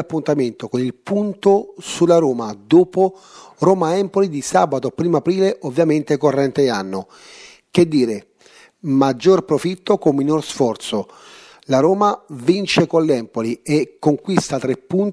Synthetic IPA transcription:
apːunt̪ament̪okonilpunt̪osulaɾoːmad̪oːpo | roːmaɛmpolid̪isaːbat̪opɾiːmoapɾiːleʔovːjament̪ekorːɛnt̪eanːo | k̟ed̪ːiːɾe | mad͡ʒːorpɾofit̪ːokomːinorsfɔrt̪so | laɾoːmavint͡ʃekonlɛmpoliekːoŋkwist̪at̪ɾepːun

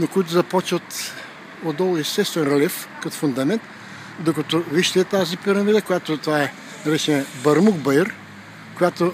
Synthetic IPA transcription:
nokoit̪̬ʊzɐpɔt͡ʃvət̪ | od̪ɔlˠist̪ɛst̪vɛnɾɐlɛfkɐt̪o̥fʊnd̪ɐmɛnt̪ | d̪okɐt̪oviʃt̪ɛt̪azipiɾɐmid̪əkojat̪ot̪ovaɛ | nɐɾɛt͡ʃɛnɐbɐɾmukbəjəɾ | kojat̪o

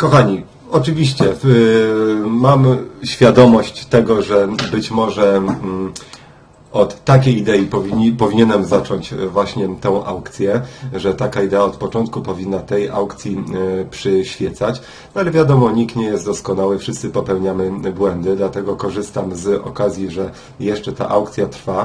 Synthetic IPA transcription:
kɔxaɲi | ɔt͡ʂɘvʲiɕt͡ɕɛ | mamɕfʲjad̪ɔmɔɕt͡ɕt̪ɛɡɔʐɛbɘt͡ɕmɔʐɛ | ʔɔt̪ːakʲejid̪ɛjipɔipɔvʲiɲɛnɛmzat͡ʂɔɲt͡ɕvwaɕɲɛt̪ɛ̃w̃ʔawkt̪sʲjɛʐɛt̪akaid̪ɛaɔt̪pɔt͡ʂɔnt̪̚kupɔvʲinːat̪ɛja̰wkt̪sʲjipʂɘɕfʲjɛt̪sat͡ɕ | nɔalɛvʲjad̪ɔmɔɲikt̪ɲɛjɛst̪d̪ɔskɔnawɘfʂɘst̪sɘpɔpɛwɲamɘbwɛnd̪ɘd̪lat̪ɛɡɔkɔʐɘst̪amzɔ̰kazʲjiʐɛ | jɛʂt͡ʂɛt̪a̰ʔawkt̪sʲjat̪ɾfa

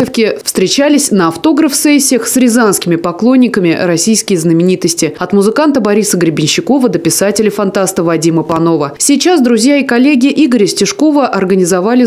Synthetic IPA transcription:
əfkʲɪfst̪ɾʲɪt͡ɕælʲɪsʲnəɐft̪o̞ɡɾəfsɛsʲːɪəxsɾʲɪzanskʲɪmʲɪpɐklˠo̞nʲːɪkəmʲɪɾɐsʲijskʲɪjəznəmʲɪnʲit̪əsʲtʲɪɐt̪mʊzɨkant̪əbɐɾʲisəɡɾʲɪbʲɪnʲɕːɪko̞vəd̪əpʲɪsatʲɪlʲɪfɐnt̪ast̪əvɐdʲiməpɐno̞vəsʲijt͡ɕasd̪ɾʊzʲjaikɐlʲeɡʲɪɪʔiɡəɾʲəsʲtʲɪʂko̞vəʔɐrɡənʲɪzɐvalʲɪ

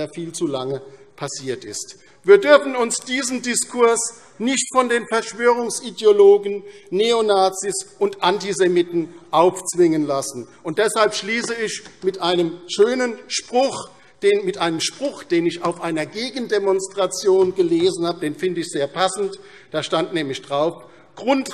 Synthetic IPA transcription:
aːfiːlt͡sulaŋəpʰasiːɐtɪ̰st | viːɐdʏɐfn̩ʊnsd̥iːzən̩dɪskʰʊɐs | nɪçtfɔndeːnfɛɐʃv̥øːʁ̞ʊŋsidjoloːɡn̩neonaːt͡sisʔʊntʔantizemɪtn̩ʔaʊft͡sv̥ɪŋənlasn̩ | ʊntd̥ɛshalpʃliːsəɪçmɪtʔaɪnəmʃøːnənʃpʁ̥ʊx | d̥eːnmɪtʔaɪnəmʃpʁ̥ʊxd̥eːnɪçaʊfʔaɪnɐɡeːɡn̩demɔnstʁ̥at͡sjoːnɡəleːzn̩haːbədeːnfɪndəɪçz̥eːɐpʰasn̩t | d̥aːʃtantnɛːmlɪçd̥ʁaʊf | ɡ̥ʁʊnt

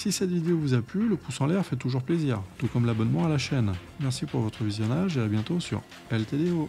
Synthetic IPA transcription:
sisɛt̪vid̪eovuzaplyləpusɑ̃lɛʁfɛt̪uʒuʁpleziːʁt̪ukɔmlabɔnmɑ̃alaʃɛn | mɛʁsipuʁvɔt̪χəvizjɔnaʒeabjɛ̃t̪osy̰ʁ | pɛlt̪eleo

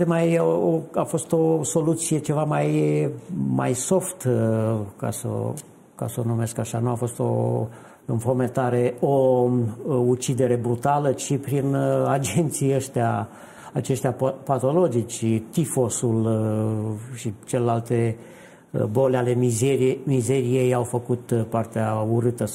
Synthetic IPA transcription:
t̪emajoafo̞st̪o̞so̞lut̪sije̞t͡ʃe̞vamaj | ma̰jso̞ft̪ | ka̰sə̰ | ka̰səo̞nume̞skaʃanuafo̞st̪o̞̰ | ɨnfo̞me̞t̪aɾe̞o | ut͡ʃid̪e̞ɾe̞bɾut̪alət͡ʃipɾinad͡ʒent̪sijəʃt̪ea | at͡ʃe̞ʃt̪eapat̪o̞lo̞d͡ʒit͡ʃt̪ifo̞sul | ʃit͡ʃelelalt̪e̞ | bo̞leale̞izemize̞ɾije̞jawfəkut̪part̪eauɾɨt̪ə

